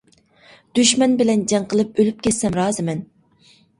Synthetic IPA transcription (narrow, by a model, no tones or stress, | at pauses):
d̪̥yʃmɛnbɪlɛnd͡ʒɛŋqəlˠɨp̚ølyp̚kʲʰɛt̪sɛmɾɑːzɨmɛn